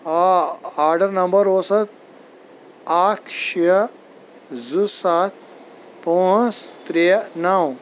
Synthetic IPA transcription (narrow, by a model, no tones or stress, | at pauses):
ɦaaɾɖəɾnəmbəɾosət̪̚ | akʰɕe | zɨsat̪ | põst̪ɾenaw